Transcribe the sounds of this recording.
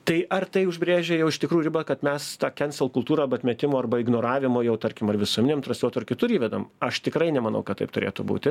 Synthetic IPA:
t̪ɐɪʔɐrt̪ɐɪʊʒʲbʲɾʲeːʒʲɛjɛʊɪʃt̪ʲɪkɾuːjuɾʲɪbɐkɐt̪mʲɛst̪ɑːkʲɛnʲsʲɛlˠkʊlˠt̪uːɾɐɐrbɐt̪ʲmʲɛt̪ʲɪmoːɐrbɐɪɡnoːɾɑːʋʲɪmojɛʊt̪ɐɾʲkʲɪmɐrʋʲɪsuɔmʲɪnʲeɛmt̪ɾɐslʲoːt̪ʊrkʲɪt̪ʊɾiːʋʲɛd̪ɐmɐʃt̪ʲɪkɾɐɪnʲɛmɐnɐ̰ʊkɐt̪tɐ̰ɪpt̪ʊɾʲeːt̪ʊbṵːt̪ʲɪ

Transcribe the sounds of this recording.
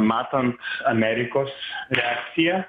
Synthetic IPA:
mɑːt̪ɐnt̪ɐmʲɛɾʲɪkoːsɾʲɛɑːkt̪sʲɪjɛ

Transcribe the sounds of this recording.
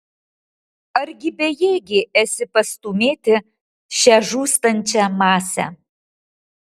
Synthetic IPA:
ɐɾʲɡʲɪbʲɛjeːɡʲɪʔɛsʲɪpɐst̪umʲeːt̪ʲɪ | ʃʲɛʒuːst̪ɐnʲt͡ʃʲɛmɑːsʲɛ̰

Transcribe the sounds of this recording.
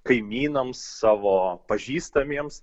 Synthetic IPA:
kɐɪmʲiːnɐmsːɑːʋoːpɐʒʲiːst̪ɐmʲiɛms

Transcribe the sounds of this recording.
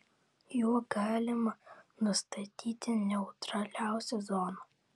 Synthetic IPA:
juːɡɑːlʲɪmɐnʊst̪ɐt̪ʲiːt̪ʲɪnʲɛʊt̪ɾɐlʲæˑʊsʲɛzɔno

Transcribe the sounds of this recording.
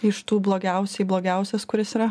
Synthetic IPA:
ɪʃt̪uːblˠoːɡʲɛˑʊsʲɛɪblˠoːɡʲɛˑʊsʲɛskʊɾʲɪsiːɾɐ

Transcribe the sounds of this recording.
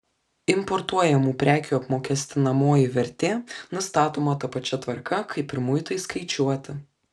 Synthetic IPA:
ɪmpɔɾt̪uɔjɛmuːpʲɾʲæːkʲuːɐpmoːkʲɛsʲt̪ʲɪnɐmoːjɪʋʲɛɾʲt̪ʲeːnʊst̪ɑːt̪oːmɐt̪ɐpɐt͡ʃʲɛt̪ʋɐɾkɐkʰɐɪpʲɪɾmʊjt̪ɐɪskɐɪt͡ʃʲuɔt̪ʲɪ

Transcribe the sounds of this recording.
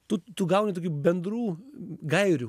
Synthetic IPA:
t̪ʊt̪ʊɡɐʊnʲit̪oːkʲuːbʲɛnd̪ɾuːɡɐɪɾʲʊ

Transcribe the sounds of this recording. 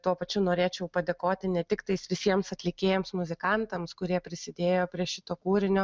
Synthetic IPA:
t̪uɔpɐt͡ʃʲʊnoːɾʲeːt͡ʃʲɛʊpɐd̪ʲeːkoːt̪ʲɪnʲɛt̪ʲɪkt̪ɐɪsʋʲɪsʲiɛmsɐt̪ʲlʲɪkʲeːjɛmsmʊzʲɪkɑnt̪ɐmskʊɾʲiɛpʲɾʲɪsʲɪd̪ʲeːjoːpʲɾʲiɛʃʲɪt̪oːkuːɾʲɪnʲoː

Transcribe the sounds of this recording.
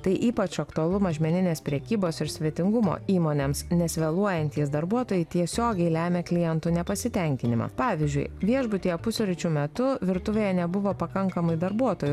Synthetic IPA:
t̪ɐɪʔiːpɐt͡ʃɐkt̪ʊɐlˠʊmɐʒʲmʲɛnʲɪnʲeːspʲɾʲɛkʲiːboːsɪɾsʲʋʲiɛt̪ʲɪŋɡʊmo̰ːiːmoːnʲemsnʲɛsʲʋʲɛlˠuɔjɛnʲt̪ʲiɛs̬d̪ɐɾbuɔt̪oːjɛɪt̪ʲiɛsʲoːɡʲɛɪlʲæːmʲeːklʲɪjɛnt̪uːnʲɛpɐsʲɪt̪ʲɛŋʲkʲɪnʲɪmɐ̰ːpɑːʋʲɪzʲd͡ʒʲʊ̰ɪʋʲiɛʒbʊt̪ʲiːjɛpʊsʲʊɾʲɪt͡ʃʲʊmʲɛt̪ʊʋʲɪɾt̪ʊʋʲeːjɛnʲɛbʊʋoːpɐkɐŋkɐmɐɪd̪ɐɾbuɔt̪oːjʊ

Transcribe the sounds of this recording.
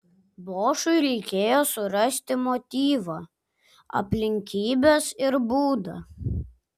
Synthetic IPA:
boːʃʊɪɾʲɛɪkʲeːjoːsʊɾɐsʲt̪ʲɪmot̪ʲiːʋɐ | ɐ̰pʲlʲɪŋʲkʲiːbʲesɪɾbuːd̪ɐ

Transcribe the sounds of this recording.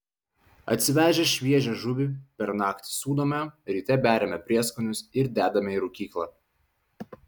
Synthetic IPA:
ɐ̰t̪ʲsʲɪʋʲæːʒʲɛʃʲʋʲiɛʒʲɛʒʊʋʲɪpʲɛɾnɑːkt̪ʲɪ̥suːd̪oːmʲɛɾʲiːt̪ʲɛbʲæːɾʲɛmʲɛpʲɾʲiɛskʊnʲʊsɪɾd̪ʲæːd̪ɐmʲɛiːɾʊkʲiːklˠɑ

